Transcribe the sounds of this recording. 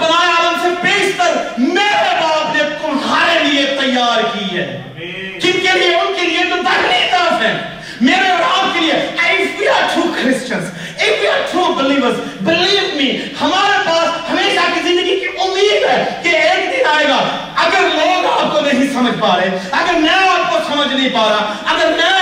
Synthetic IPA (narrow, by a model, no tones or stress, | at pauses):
bɐnaːaːd̪msebeːst̪əsmeːɾɾeɾaːbneʊnsaːɾeliet̪ɐjːaːɾkiːɛ̰ | kõːkemiʊnkeliekod̪akned̪aːsɛ̃ | meːɾeɾaːb̚kelieɛɪfwiːaːɾʈʰɾuːkʰɾɪst͡ʃə̃nz | ɪfiaːɾʈʰɾuːbɪliːʋəɾs | bɪliːʋmiːhɐmaːɾepaːshɐmeːʃakizɪ̃nd̪əɡikiʔʊmːiːd̪ɦɛːkeeːkd̪ɪnaːeːɡaː | ɐɡəɾloːɡaːp̚kod̪eːɦisɐməd͡ʒʱpaːɾeːɐɡəɾmɛ̃ːaːp̚kosɐməd͡ʒnɐĩpaːɾa | ɐɡəɾmɛ̃ː